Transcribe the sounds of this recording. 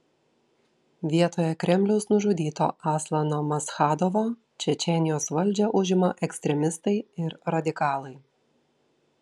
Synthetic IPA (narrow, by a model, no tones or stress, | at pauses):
ʋʲiɛt̪oːjɛkɾʲɛmʲlʲɛʊsnʊʒʊd̪ʲiːt̪o̰ːʔɑːslˠɐnoːmɐsxɑːd̪oʋoː | t͡ʃʲɛt͡ʃʲɛnʲɪjoːsʋɐlʲˑd͡ʒʲɛʔʊʒʲɪmɐʔɛksʲt̪ʲɾʲɛmʲɪst̪ɐɪɪɾɾɐd̪ʲɪkɑːlˠɐɪ